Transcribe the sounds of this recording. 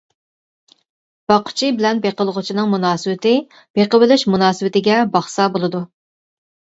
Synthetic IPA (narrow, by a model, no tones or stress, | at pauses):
b̥ɑqʰʊ̥t͡ʃʰibɪlɛnbeqəlˠəʁʊt͡ʃʰinɨŋmunɑːsɨwɪt̪ʰɪ | b̥eqəwɪlɪʃmunɑːsɨwɪt̪ɪɡʲɛbɑχsɑbolˠɨd̪u